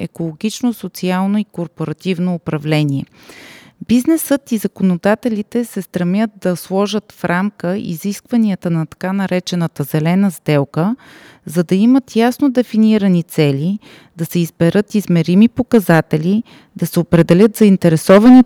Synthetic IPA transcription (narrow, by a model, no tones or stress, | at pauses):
ɛ̰kolˠoɡʲit͡ʃnosot̪sialˠnoikoɾpoɾɐt̪ivnoːpɾɐvlɛnʲiɛ | biznɛsət̪izɐkonod̪at̪ɛlit̪ɛsɛst̪ɾɐmʲət̪̚d̪ɐslˠɔʒət̪fɾamkəḭziskvɐniət̪ənɐt̪ɐ̥kanɐɾɛt͡ʃɛnət̪əzɛlɛnəzd̪ɛlˠkə | zɐd̪ɐimət̪jasnod̪ɛfiniɾənit̪sɛlʲi | d̪ɐsɛizbɛɾɤt̪izmɛɾimipokɐzat̪ɛlʲi | d̪̥ɐsɛopɾɛd̪ɛlʲət̪zɐint̪ɛɾɛsɔvɐni